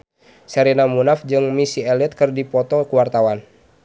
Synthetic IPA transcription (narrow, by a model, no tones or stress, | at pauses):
sɛɾinamunafd͡ʒɨŋmisiɛlit̪̚kɨrdipɔt̪ɔkuwart̪awan